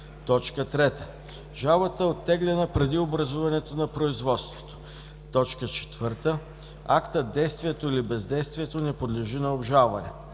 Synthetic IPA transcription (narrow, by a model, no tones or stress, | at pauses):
t̪ɔt͡ʃkət̪ɾɛt̪ə̥ | ʒalˠbət̪əot̪ːɛɡlɛnəpɾɛd̪iobɾɐzuvɐnɛt̪onɐpɾoizvɔt̪st̪vo̥t̪o̥ | t̪ɔt͡ʃkət͡ʃɛ̥t̪v̥ɤɾt̪ə | akt̪əd̪ɛjst̪viɛt̪oilibɛzd̪ɛjst̪vʲiɛt̪onɛpod̪lɛʒinɐobʒalˠvɐnɛ̰